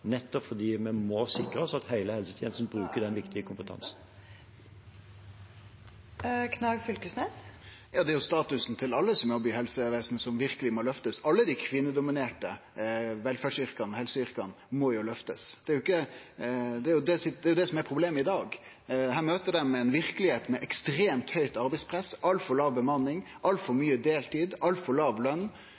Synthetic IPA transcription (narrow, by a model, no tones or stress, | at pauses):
nɛt̪ːɔpfɔd̪iːmɛmɔsɪkɾəɔsɔɑt̪heɪləhɛlsət̪ʰjɛnəsn̩bɾʉːkəd̪ɛnʋɪkt̪ʰɪəkʰʊmpət̪ʰɑ̰nsn̩ | kʰnɑɡfʏlkəsnes | jɑːd̪ɛæɾjʊst̪ɑːt̪ʉsn̩t̪ʰɪlɑlːəsɔmæɾɔbyːhɛlsəʋeːsnəsɔmʋɪɾkəlɪmɔlœft̪əsɑlːəd̪ikʰʋɪnəd̪ʊmɪneːʈəʋɛlfæːɖʂʏɾkɑnhɛlsəʏɾkɑ̰n | mɔjʊlœft̪əsd̪ɛæɾjʊɪkːə | d̪ɛæɾjʊd̪ɛsɪd̪ɛæɾjʊd̪ɛsɔmɛɾpʰɾʊbleːmɪd̪ɑːɡ̪ | ɦæːɾmøːt̪əɖɛmɛɛnʋɪɾkəlɪheːt̪mɛʔɛkst̪ɾeːmt̪hœʏt̪ɑɾbɛɪspʰɾɛsʔɑlt̪fɔɭɑːʋbəmɑnɪŋ | ʔɑlt̪fɔɾmyːəd̪eːlt̪ʰiːd̪ʔɑlt̪fɔɭɑːʋlœnː